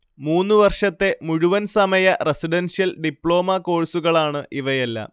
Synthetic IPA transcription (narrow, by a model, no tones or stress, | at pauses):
muːnːɨʋɐrʂɐt̪ːe̞muɻuʋɐnsɐmɐjɐresiɖɐnsijɐlɖipːɭo̞ːmɐko̞ːɻsuɣɐɭaːɳɨʔiʋɐjɐlːɐ̰